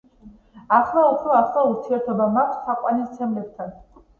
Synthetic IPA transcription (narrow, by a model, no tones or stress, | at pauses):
aχlˠaupʰɾɔaχlˠauɾt̪ʰiɛɾt̪ʰɔbamakʰʷssaqʼwanist̪sʰɛmlɛb̚t̪ʰan